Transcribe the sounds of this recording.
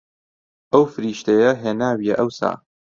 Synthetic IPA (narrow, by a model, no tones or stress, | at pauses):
ʔɐwfɨɾiːʃt̪ejɐɦeːnaːwijɛʔɐwsa̰ː